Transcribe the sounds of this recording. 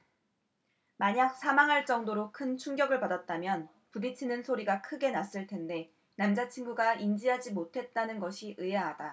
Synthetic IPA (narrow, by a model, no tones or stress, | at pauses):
maɲak̚s͈ʰamaŋɦaɭt͡ɕ͈ʌŋdoɾokʰɯnt͡ɕʰuŋɡjʌɡɯɭpadat̚t͈amjʌn | pudit͡ɕʰinɯnsʰoɾiɡakʰɯɡe̞nas͈ɯɭtʰe̞nde̞ | namd͡ʑat͡ɕʰinɡuɡaind͡ʑiɦad͡ʑimotʰe̞t̚t͈anɯnɡʌɕʰiʔɯeɦad̥a